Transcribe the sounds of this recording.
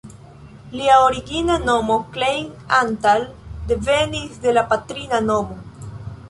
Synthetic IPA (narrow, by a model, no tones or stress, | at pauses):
liaoɾiɡinano̞mo̞klejn | antald̪e̞venisde̞lapatɾinanomo